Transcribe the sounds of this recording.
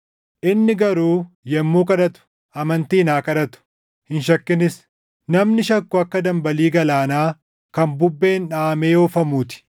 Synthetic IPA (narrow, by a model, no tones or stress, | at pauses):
ʔɪnːɪɡɐɾuː | jɛmːuːkʼɐᶑɐt̪ʊ̥ | ʔɐmɐnt̪iːnaːkʼɐᶑɐt̪ʊ̥ | hɪnʃɐkːɪnɪs | nɐmnɪʃɐkːʊɐkːɐd̪ɐmbɐliːɡɐlaːnaː | kɐnbʊbːe̞ːnᶑaːmeːjoːfɐmuːt̪ɪ̥